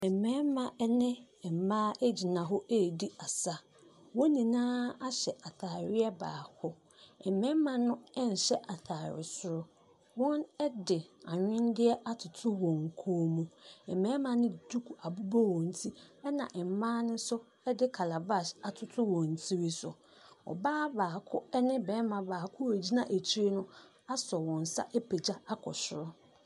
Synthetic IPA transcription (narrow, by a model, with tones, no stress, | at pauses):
ɛ˨mɛ̃˦mã˨ʔɛ˦nɪ̃˦ | ɛ˨m˨mãː˦ʔe˦d͡ʑi˨nã˨ɦɔ˦e˦˨di˦a˨sa˦ | wɔ˦nĩ˨nãː˦a˦ɕɛ˨ʔa˨tʰa˨ɾɪ˦ɛ˦ba̰ː˨hʰɔ˦ | ɛ˨mɛ̃˦mã˨nʊ̃˦ɛ˦n̩˨ɕɛ˦ʔa˨tʰaː˨ɾɪ̰˨sʊ˨ɾʊ˦ | wɔ̃˦nɛ˦dɪ˨a˨ɲᶣɪ̃˦ndɪ˦ɛ˦ʔa˦tʰʊ˨tʰʊ˦wɔ̃˨ŋ˨kʰoː˦mũ˨ɛ˨mɛ̃˦mã˨nɪ̃˦˨du˦kʰu˨ʔa˨bu˦bɔ˦wɔ̃˨n̩˨tʰi˦ɛ˦nã̰˨ʔɛ˨m˨˦mãː˦nʊ̃˦sʊ˦ | ɛ˦dɪ˦kʰa˨la˨ba˦˨sa˨tʰʊ˨˦tʰʊ˦wɔ̃˨n˨tʰi˦ɾi˦sʊ̰˨ | ɔ̰˨baː˦baː˨kʰʊ˦ɛ˦nɪ̃˦bɛː˨˦mã˨baː˨kʰʊ˦æ˨d͡ʑi˦nã̰˦ʔæ˨t͡ɕʰi˦e˦nʊ̃˦ | a˦sɔ˨wɔ̃˨n˨sa̰˦ʔɛ˦pʰe˨d͡ʑa˦a˦kʰɔ˨ɕɪ˦˨ɾɔ˦